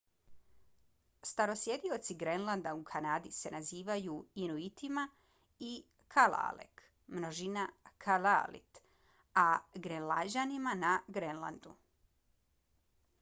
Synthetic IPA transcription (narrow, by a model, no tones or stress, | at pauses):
st̪aɾo̞sje̞d̪io̞t̪siɡɾenlˠand̪aukʰanaːd̪ise̞naziːʋajuinuit̪ima | i | kʰala̰lḛk | mnoʒinakʰalalḭt̪ | aɡɾenlad͡ʑanimanaɡɾenla̰nd̪u